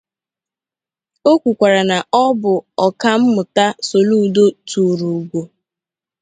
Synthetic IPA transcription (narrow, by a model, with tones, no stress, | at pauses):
o˦kʷu˨kʷa˨ɾa˨na˨ɔ˦bʊ˨ɔ˨ka˦m̩˦mʊ˨ta˦so˨lu˦˨do˦tu˨ɾu˨ɡʷo˨